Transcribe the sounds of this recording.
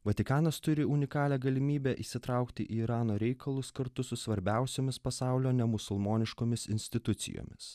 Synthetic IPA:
ʋɐt̪ʲɪkɑːnɐst̪ʊɾʲɪʊnʲɪkɑːlʲæːɡɐlʲɪmʲiːbʲɛʔiːsʲɪt̪ɾɑˑʊkt̪ʲɪʔiɾɑːnoːɾʲɛɪkʰɐlˠʊskɐɾt̪ʊsʊsʋɐɾʲbʲæˑʊsʲoːmʲɪspɐsɑˑʊlʲoːnʲɛmʊsʊlˠmoːnʲɪʃkoːmʲɪsɪnʲsʲt̪ʲɪt̪ʊt̪sʲɪ̰jo̰ːmʲɪs

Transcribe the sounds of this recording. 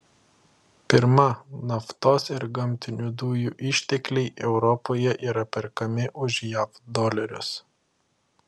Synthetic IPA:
pʲɪɾmɐnɐft̪oːsɪɾɡɐmʲt̪ʲɪnʲud̪uːjuːʔɪʃʲt̪ʲɛklʲɛɪʔɛʊɾɔpoːjɛʔiːɾɐpʲɛɾkɐmʲɪʔʊʒjæːfd̪ɔːlʲɛɾʲʊ̰s

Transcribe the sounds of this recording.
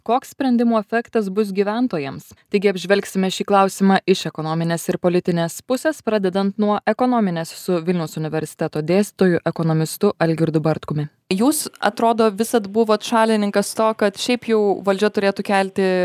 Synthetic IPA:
koːkssʲpʲɾʲɛnʲd̪ʲɪmuːɛfʲɛkt̪ɐs̬bʊs̬ɡʲiːʋʲæˑnt̪oːjɛmst̪ɐɪɡʲɪɐbʲʒʲʋʲɛlʲksʲɪmʲɛʃʲiːklˠɑˑʊsʲɪmɑːʔɪʃɛkoːnoːmʲɪnʲeːsɪɾpoːlʲɪt̪ʲɪnʲeːspʊsʲespɾɑːd̪ʲɛd̪ɐnt̪nuɔʔɛkɔnoːmʲɪnʲeːssʊʋʲɪlʲnʲɛʊsʊnʲɪʋʲɛɾʲsʲɪ̥t̪ʲɛt̪oːd̪ʲeːst̪ʲɪt̪oːjʊʔɛkonɔmʲɪst̪ʊʔɐlʲɡʲɪɾd̪ʊbɐɾt̪kʊmʲɪ | juːsɐ̰t̪ɾoːd̪oːʋʲɪsɐt̪bʊʋoːt̪ʃɑːlʲɪnʲɪŋkɐst̪oːkɐt̪ʃʲɛɪpjɛʊʋɐlʲd͡ʒʲɛt̪ʊɾʲeːt̪ʊkʲɛlʲt̪ʲɪ

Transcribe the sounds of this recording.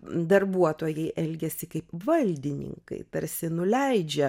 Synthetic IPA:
d̪ɐrbuɔt̪oːjɛɪʔɛlʲɡʲɛsʲɪkɐɪpʋɐlʲd̪ʲɪnʲɪ̰ŋkɐ̰ɪpʲɛɾʲsʲɪnʊlʲɛɪd͡ʒʲɛ

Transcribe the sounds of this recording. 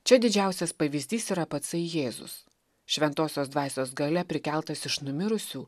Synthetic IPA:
t͡ʃʲɛd̪ʲɪd͡ʒʲæˑʊsʲɛspɐʋʲɪzʲd̪ʲiːsiːɾɐpɐt̪sɐɪjeːzʊ̰s | ʃʲʋʲɛnt̪oːsʲoːsd̪ʋɑːsʲoːsɡɐlʲɛpʲɾʲɪkʲælˠt̪ɐsɪʃnʊmʲɪɾʊsʲuː

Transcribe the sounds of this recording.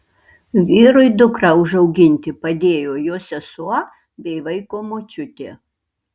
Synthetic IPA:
ʋʲiːɾʊɪd̪ʊkɾɐʊʒɐʊɡʲɪnʲt̪ʲɪpɐd̪ʲeːjoːjoːsʲɛsuɔ | bʲɛɪʋɐɪkoːmot͡ʃʲʊt̪ʲeː

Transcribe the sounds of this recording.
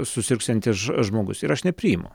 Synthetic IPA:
sʊsʲɪɾksʲɛnʲt̪ʲɪsʒmoːɡʊsɪɾɐʃnʲɛpʲɾʲiːɪmʊ̰

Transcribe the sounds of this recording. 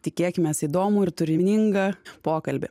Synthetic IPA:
t̪ʲɪkʲeːkʲɪmʲɛːsid̪oːmʊɪɾt̪ʊɾʲɪnʲɪŋɡɐpoːkɐlʲbʲɪ̰

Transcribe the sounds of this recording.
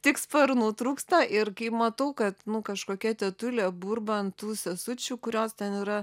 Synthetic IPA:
t̪ʲɪkspɐɾnut̪ɾuːkst̪ɐʔɪrkɐɪpmɐt̪ɐʊkɐt̪nʊkɐʃkoːkʲɛt̪ʲɛt̪ʊlʲeːburbɐntt̪uːsʲɛsʊt͡ʃʲuːkʊɾʲoːst̪ʲɛniːɾɐ

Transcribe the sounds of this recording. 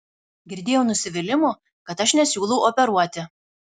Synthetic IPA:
ɡʲɪɾʲd̪ʲeːjɛʊnʊsʲɪʋʲɪlʲɪmʊ | kɐt̪ɐʃnʲɛsʲuːlˠɐʊɔpʲɛɾuɔt̪ʲɪ

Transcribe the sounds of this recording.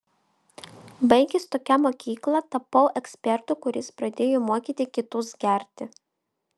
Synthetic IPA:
bɐɪɡʲɪst̪oːkʲɛmoːkʲiːklˠɐt̪ɐpɐʊʔɛksʲpʲɛɾt̪ʊkʊɾʲɪspɾɐd̪ʲeːjoːmuɔkʲiːˑt̪ʲɪkʲɪt̪ʊsɡʲæˑɾʲt̪ʲɪ

